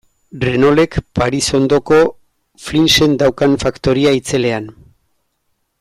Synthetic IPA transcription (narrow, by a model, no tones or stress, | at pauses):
reno̞le̞kpaɾiso̞nd̪o̞ko̞ | flinse̞nd̪awkanfakt̪o̞ɾiait͡se̞le̞an